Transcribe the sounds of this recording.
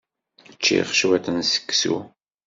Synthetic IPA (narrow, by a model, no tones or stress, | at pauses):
ət͡ʃːḭχʃwæθənsə̥kːsṵ